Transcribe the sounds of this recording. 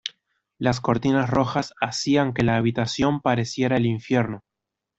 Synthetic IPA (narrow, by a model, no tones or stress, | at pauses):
las̬ko̞ɾt̪inasro̞xasasiaŋke̞laːβ̞it̪asjo̞mpaɾe̞sje̞ɾaeliɱfje̞ɾno